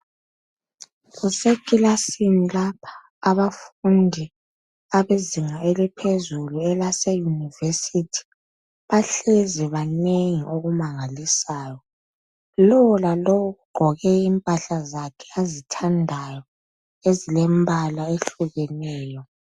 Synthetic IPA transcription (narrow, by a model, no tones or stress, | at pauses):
ɣusekʼilasinilapʰḁː | βafundʱi | aβeziŋaelipʰezuluɛlasejunivesitʰi̥ | βaɬezɛβaneŋiʔoɣumaŋalisaːjɔ | lɔwɔlalɔwɔɣuɡ͡ǃʱɔɣɛimpʼaɬazakʰɛ̥azitʰandʱajɔ | ezilembʱalaeɬuɣɛnɛːjɔ